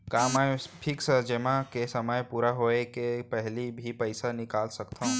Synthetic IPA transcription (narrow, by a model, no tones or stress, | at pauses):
kaːmãpʰɪksəd͡ʒəmakesɐməjpuːɾaɦoːekepɛɦlibʱipɐɪsanɪkaːlsɐkt̪ã